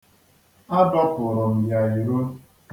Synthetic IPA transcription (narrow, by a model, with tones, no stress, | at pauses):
a˦dɔ˦pʊ˨ɾɔ˨m̩˨ja˨i˨ɾo˦ | k